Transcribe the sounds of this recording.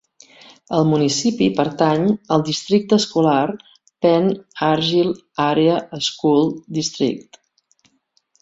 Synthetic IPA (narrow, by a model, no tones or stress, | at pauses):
əlˠmunisipipəɾt̪aɲəlˠd̪ist̪ɾik̚t̪əskular | pɛnaɾʒilˠ | aɾeəʔəskulˠd̪ist̪ɾḭk̚t̪